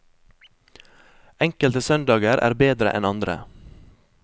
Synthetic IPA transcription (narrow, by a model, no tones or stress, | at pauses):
ɛŋkəlt̪əsœnd̪ɑːɡəɾʔæ̰ːɾbeːd̪ɾə̰ʔɛ̰nɑnd̪ɾə̰